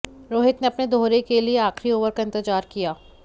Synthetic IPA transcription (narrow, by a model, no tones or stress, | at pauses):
ɾoːɦɪt̪neɐpned̪ʱoːɾekelieaːxɾioːʋəɾkaɪ̃nt̪ɪd͡ʒaːɾkijaː